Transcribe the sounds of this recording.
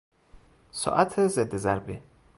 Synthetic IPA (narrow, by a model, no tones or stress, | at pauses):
sɔ̰ʔat̪ʰezed̪ːezæɾbi